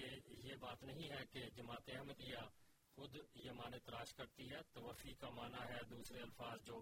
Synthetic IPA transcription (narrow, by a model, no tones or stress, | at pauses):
ejebaːt̪nɐɦĩɦɛked͡ʒɐmaːt̪eɛɦməd̪ija | xʊd̪jemaːnet̪ɾaːʃkɐɾt̪iɦɛːt̪ɐʋəfiːkamaːnaɦɛːd̪uːsɾeɐlfaːzd͡ʒoː